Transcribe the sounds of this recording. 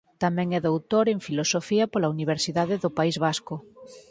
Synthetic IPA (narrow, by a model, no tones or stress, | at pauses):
t̪amɛ̃ŋɛðowt̪oɾeɱfilosofiɐpolauniβ̞eɾsiðaðɪðʊpaizβaskʊ